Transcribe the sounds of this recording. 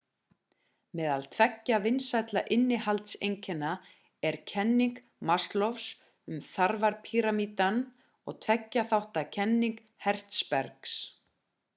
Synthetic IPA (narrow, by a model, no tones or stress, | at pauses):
mɛːðalt̪ʰvɛcːavɪnsajt̪laʔɪnːɪhalt̪sḛjɲcʰɛnːa | ɛɾ̥cʰɛnːiŋk | mast̪lɔfs | ʏmθaɾvaɾpʰiɾamiːt̪an | ɔ̰ɣt̪ʰvɛcːaθawht̪acʰɛnːiŋk | hɛr̥t̪spɛɾks